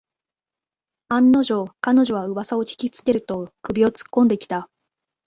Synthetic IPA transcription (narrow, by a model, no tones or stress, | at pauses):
ãnːo̞ʑo̞kano̞ʑo̞β̞aɯ̟βasao̞çʲi̥kʲit͡sɨ̥ke̞ɾɯ̟t̪o̞kɯ̟bʲio̞t͡sɨ̥kːõ̞nd̪e̞kʲi̥t̪a